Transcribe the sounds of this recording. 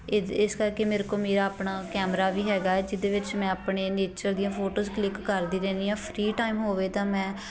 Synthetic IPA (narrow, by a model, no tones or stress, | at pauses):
ɪskəɾkeːmeːɾkoːmeːɾaːəpɳaːkɛːmɾaːʋiːɦɛːɡaːɛːd͡ʒɪd̪eːʋɪt͡ʃmɛ̃ːapɳeːneːt͡ʃəɾd̪ijãːpʰoːʈoːzklɪkːəɾd̪iːɾɛːniːãːpʰɾiːʈaːimɦoːʋeːt̪ãːmɛ̃ː